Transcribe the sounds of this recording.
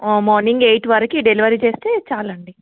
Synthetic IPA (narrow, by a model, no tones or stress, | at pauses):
mɔːɾniŋɡejʈʋɐɾɐkiɖeliʋɐɾit͡ʃeːst̪eːt͡ʃaːlɐɳɖi